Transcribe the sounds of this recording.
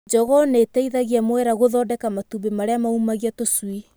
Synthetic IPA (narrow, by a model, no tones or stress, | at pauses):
d͡ʒɔɣɔnetɛiðaɣiamoɛɾaɣoðɔːdɛkamatubemaɾeamaumaɣiatoswi